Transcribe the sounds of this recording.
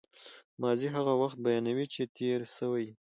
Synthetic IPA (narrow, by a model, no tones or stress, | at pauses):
mɑziɦaɣawaxt̪̚bajɑnawit͡ʃet̪ʰeɾsəwaj